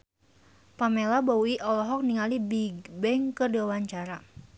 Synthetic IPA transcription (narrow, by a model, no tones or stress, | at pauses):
pamelabauiʔɔlɔɦɔk̚niŋalibiɡbɛŋkərdewaɲt͡ʃaɾa